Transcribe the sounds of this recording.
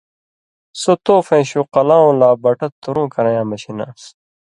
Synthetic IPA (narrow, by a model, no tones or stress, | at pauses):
sot̪oːfẽːɕuqɐlaːũːlaːbɐʈɐt̪ːuɾũːkɐɾɐ̃jãːmɐɕina̰ːs